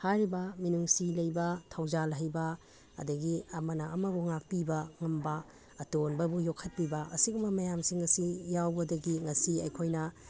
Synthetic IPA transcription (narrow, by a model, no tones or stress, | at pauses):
haɾibɐminuŋsilɐjbɐtʰawzalɦɐjbɐ | ɐ̰dɐɡiɐmɐnaɐmɐbuŋak̚pibɐŋɐmbɐː | tonbɐbujokʰːɐt̚pibɐʔɐsikumɐmɐjamsiŋːɐsijawbɐdɐɡiŋɐsiɐjkʰojnɐ